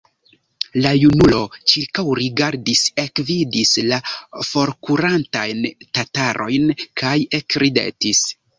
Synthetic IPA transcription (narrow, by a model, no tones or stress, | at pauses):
lajunulo̞t͡ʃiɾkawɾiɡaɾdise̞kvidislafo̞ɾkuɾantajntataɾʔo̞jnkʰajekɾidḛtis